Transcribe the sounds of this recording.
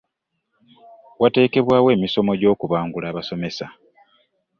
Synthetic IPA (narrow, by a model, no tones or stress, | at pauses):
wʔate̞ːke̞βwaːwe̞ːmiso̞mo̞ɟo̞ːkuβaːŋɡulaːβaso̞me̞sa